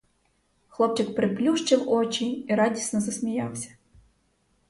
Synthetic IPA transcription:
xlˠɔp̚t͡ʃɪkpɾeplʲuʃt͡ʃɪwɔt͡ʃʲiiɾɑdʲisnɔzɐsmʲijɑwsʲɐ̥

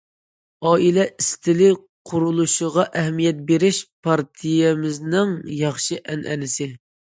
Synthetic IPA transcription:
ɑːilɛʔist̪ʰɪlɪ | qʰʊɾulˠuʃəʁɑʔɛɦmijɛt̪̚beɾɪʃpʰɑɾt̪ʰijɛmɪznɪŋjɑχʃɨʔɛnʔɛ̰nɪsɪ

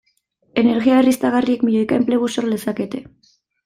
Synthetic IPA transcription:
e̞ne̞ɾɣiaerist̪aɣariekmiʎojkaempleɣusoɾlesake̞t̪e̞

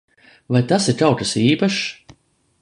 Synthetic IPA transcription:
vajt̪asiɾt̪awt̪asiːpaʃ

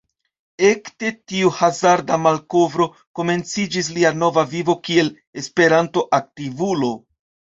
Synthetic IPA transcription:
e̞kte̞tiuhazaɾdamalko̞vɾo̞ | ko̞me̞nt͡sid͡ʒis̬liano̞vavivo̞kie̞l | espe̞ɾanto̞ʔak̚tivulo̞

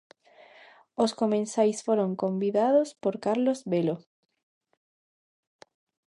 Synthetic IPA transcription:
oskomẽnsajsfoɾoŋkombiðaðospoɾkaɾlozβelo

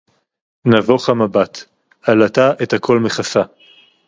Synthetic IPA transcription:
navoχamabat̪ | alataʔethakʰo̞lmeχasa

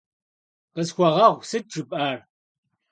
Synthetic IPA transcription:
qəzxʷɔʁɐʁʷsɨt̚ʈ͡ʂʼɨpʼaːr

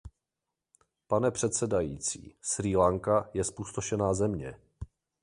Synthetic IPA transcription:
panɛpr̝̥ɛt̪sɛdajiːt͡sḭːsɾiːlaŋkajɛspuːst̪oʃɛnaːzɛmɲɛ

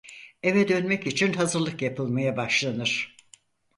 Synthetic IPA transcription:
e̞vɛd̪ønmɛcit͡ʃʰinɦazɯɾlˠɯkjapʰɯlˠmajabaʃlˠanɯɾ̥

